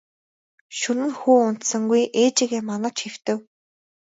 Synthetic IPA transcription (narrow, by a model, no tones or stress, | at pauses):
ʃɵnɘ̆nxuːʊn̥t̪sə̆ŋɡujʔeːt͡ɕĭɣeːmanə̆t͡ɕxew̥t̪ɘ̆w